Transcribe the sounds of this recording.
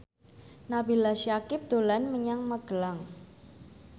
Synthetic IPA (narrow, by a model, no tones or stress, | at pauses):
nabilasjakɪp̚d̪̥o̤lanməɲaŋməɡ̥əlaŋ